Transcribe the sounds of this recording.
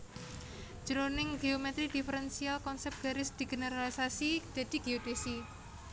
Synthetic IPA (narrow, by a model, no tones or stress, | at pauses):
d͡ʒ̥əɾonɪŋɡeomɛt̪ɾid̪̥ifəɾɛnsialkɔnsɛp̚ɡ̥aɾɪsd̪̥iɡ̥eneɾalisasid̪̥a̤d̪̥i̤ɡ̥eod̥̪esi